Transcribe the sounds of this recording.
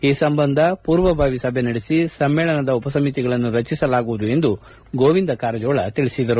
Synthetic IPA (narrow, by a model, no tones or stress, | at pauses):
iːsɐmbɐnd̪ʱɐpuːɾʋɐbʱaːʋisɐbʱɛnɐɽisisɐmːɛːɭɐnɐd̪ɐupɐsɐmit̪iɡɐɭɐnːuɾɐt͡ʃisɐlaːɡuʋud̪ue̞nd̪u | ɡoːʋind̪ɐkaːɾɐd͡ʒɔːɭɐt̪iɭisid̪ɐɾu